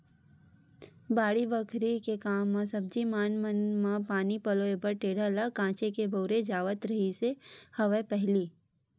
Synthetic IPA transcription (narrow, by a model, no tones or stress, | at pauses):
baːɽibəkʰɾikekaːmːãsɐb̚d͡ʒimaːnmənmãpaːnipɐloːebəɾʈeːɽələkãːt͡ʃekebʱoːɾed͡ʒaːʋət̪ɾɐɦisehɐʋepɛɦliː